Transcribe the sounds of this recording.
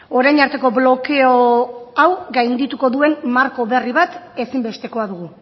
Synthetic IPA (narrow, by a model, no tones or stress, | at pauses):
o̞ɾajɲaɾt̪e̞ko̞βlo̞ke̞oawɡajnd̪it̪uko̞ðue̞nmaɾko̞βe̞riβat̪e̞simbe̞st̪e̞ko̞aðuɣu